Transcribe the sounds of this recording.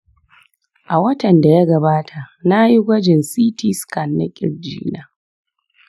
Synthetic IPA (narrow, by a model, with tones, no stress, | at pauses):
ʔa˨wɐ˦tɐ˨nda˨ja˦ɡɐ˨baː˦tʰa˨na˦ji˦ɡʷɐ˦d͡ʒɪ˨nsiː˦ti˦ska˨nːa̰˦kʲʼɪ̰˨ɽd͡ʒḭː˦naː˨